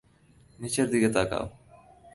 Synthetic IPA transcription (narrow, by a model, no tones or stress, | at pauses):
nit͡ʃeɾd̪iɣet̪aka̰w